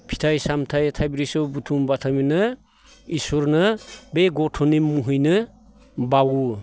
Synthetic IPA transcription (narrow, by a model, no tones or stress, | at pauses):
pʰi̥tʰajsamtʰajtʰajbɾisɔwbutʰumbatʰaminɯ | isuɾnɯbeɡɔtʰɔnimːuɦujnɯ | bawu